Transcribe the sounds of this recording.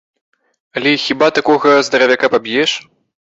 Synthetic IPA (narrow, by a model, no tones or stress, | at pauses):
ɐlʲɛixʲibat̪akɔɣɐzd̪ɐɾɐvʲakapabʲjɛʂ